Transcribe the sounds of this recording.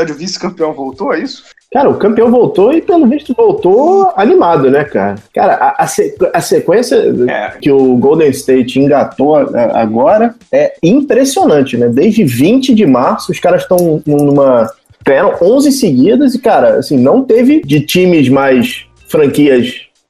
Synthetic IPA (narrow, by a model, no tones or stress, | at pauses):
ad͡ʒʊvisɪ̥kɐ̃mpiɐ̃w̃vowt̪oɛisʊ̥ | kaɾɐʊkɐ̃mpiɐ̃w̃vowt̪oɪpelʊviʃt̪ʊvowt̪oanimad̪ʊnɛka̰ɾɐka̰ɾɐʔaʔɐsekɐsekwẽsiɐɛ̰kɪʊɡowd̪ẽst̪ejt͡ʃĩŋɡat̪oaa̰a̰ɡɔɾɐɛĩpɾesionɐ̃t͡ʃɪnɛd̪ezʒd͡ʒɪvĩt͡ʃɪd͡ʒɪmaɾsʊːskaɾɐʃt̪ɐ̃w̃nũnũmɐ | ɡ̥ɐaɾɐ̃w̃ʔõzɪsɪɡid̪ɐzɪkaɾɐa̰sĩnɐ̃w̃t̪evɪd͡ʒɪt͡ʃĩmɪzmajs | fɾɐ̃kiɐʃ